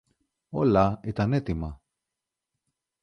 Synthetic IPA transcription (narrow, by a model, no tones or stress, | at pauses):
olɐit̪ɐnet̪imɐ